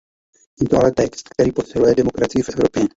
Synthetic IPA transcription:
jɛt̪oʔalɛt̪ɛkst̪kt̪ɛɾiːpo̞sɪlujɛdɛmo̞kɾat͡sɪjɪfʔɛvɾo̞pjɛ

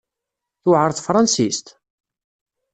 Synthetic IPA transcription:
θʊʕəɾˤθfɾˤɑnsist̪

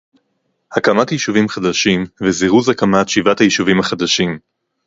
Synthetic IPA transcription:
hakamatjiʃuvimχad̪aʃimveziʁuzakamatʃivathajiʃuvimhaχad̪aʃim

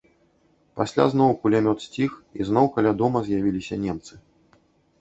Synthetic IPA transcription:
pasʲlʲa̰znɔwkulʲamʲɔt̪sʲt͡sʲixiznɔwkalʲad̪ɔmɐzʲjavʲilʲisʲɐnʲɛmt̪sɨ

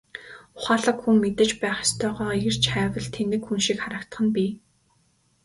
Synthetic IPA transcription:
ʊχaːɮə̆kxuŋmet̪ɘ̆t͡ɕpæːχɪ̥st̪ʰœːʁœːer̥t͡ɕχæːwə̆ɮt̪ʰenɘ̆kxunʃikχaɾə̆kt̪ə̆χə̆npʲiː

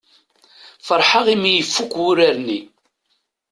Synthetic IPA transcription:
fəɾˤħaʁimijəfːukʷʊɾaɾni

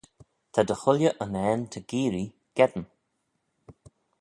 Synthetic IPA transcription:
t̪ʰad̪əxʊlʲjəʔənɛːnt̪ʰəɡ̥iːɾi | ɡ̥ɛd̪ən

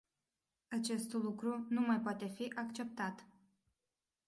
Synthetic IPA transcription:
at͡ʃe̞st̪lukɾunumajpoat̪e̞fiʔakt͡ʃe̞p̚t̪at̪

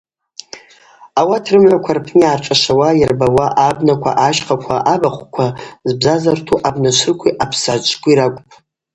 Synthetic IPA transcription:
awatʰrɨmʕʷakʷʰarpʰniarʈ͡ʂʷʼaʂawajɪrbawaʔabnakʷʰa̰ʔaʃqakʷʰaʔabaχʷkʷʰazbzazartʰuʔabnat͡ʃʷʰɨrkʷʰiʔapʰsat͡ʃʷʰʼkʷʰʼiɾakʷʼpʼ

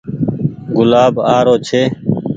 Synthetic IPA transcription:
ɡʊlaːbaːɾoːt͡ʃʰeː

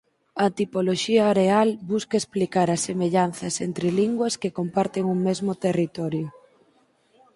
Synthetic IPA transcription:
ɐt̪ipoloʃiɐːɾealbuskɐesplikaɾɐsemeʎan̟θɐsent̪ɾɪliŋɡwɐskekompaɾt̪eŋuŋmezmʊt̪erit̪ɔɾjʊ

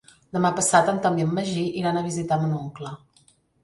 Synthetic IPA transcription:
d̪əmapəsat̪ənt̪ambiəmːəʒiʔiɾanəβizit̪amənuŋklə

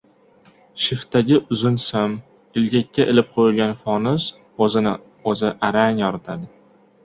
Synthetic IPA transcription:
ʃɪft̪aɡʲɪʔʊzʊnsam | ɪlɡʲakʲːaʔɪlɪp̚qʰojɪlʲɡʲanfɒnʊz | ozɪnɪ | ozɪʔaɾaŋjɒɾɪt̪ʰad̪ɪ

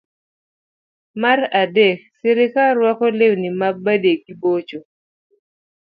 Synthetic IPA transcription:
maradɛk̚seɾɪkaɾwɔkɔlewnimabadekibot͡ʃo

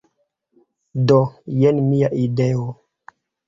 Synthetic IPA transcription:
dojenmiaʔideo

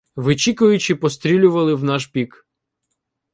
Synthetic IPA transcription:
ʋɪt͡ʃikʊjʊt͡ʃɪpɔst̪ɾʲilʲʊʋɐlˠɪwnɑʃpʲik

